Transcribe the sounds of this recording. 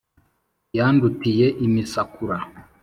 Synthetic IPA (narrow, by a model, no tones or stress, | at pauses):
jandutijeʔimisakuɾa